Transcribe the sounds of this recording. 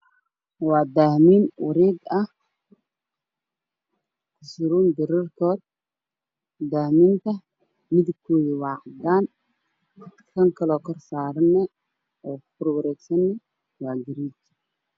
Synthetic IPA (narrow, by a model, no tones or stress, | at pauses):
wɑːd̪aːhmiːnwɐɾiːɡɐh | kʰʊsɪɾuːnd̪ɪɾɪrt̪ʰɔːr | d̪aːhmiːnt̪ʰɐ | mɪðkʰːɔːjiwɑːʕd̪aːn | kʰɐŋkʰɐlɔːkʰɐrsaːɾɐnːɛ | ɔːkʰʊɾwɐɾɛːɡsɐnːɛ | wɑːɡɪɾiːt͡ʃ